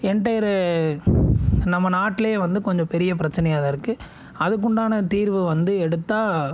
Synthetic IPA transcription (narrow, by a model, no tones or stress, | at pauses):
ɛɳʈɐjɐɾɯ | nɐmːɐnaːʈːɪleeʋɐnd̪ɯkɔɲd͡ʒɔ̃pɛɾɪjɐpɪɾɐt͡ʃːɐnɐjaðɐɪɾɯkːɯ | ɐðɯkːʊɳɖaːnɐt̪iːɾʋɯʋɐnd̪ɯɛɽɯt̪ːaː